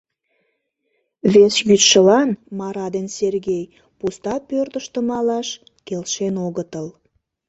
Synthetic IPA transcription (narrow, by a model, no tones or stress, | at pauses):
βesjyt̪ʃəlɑnmɑɾɑd̪enserɣej | pust̪ɑpørt̪əʃt̪əmɑlɑʃ | kelʃenoɣət̪əl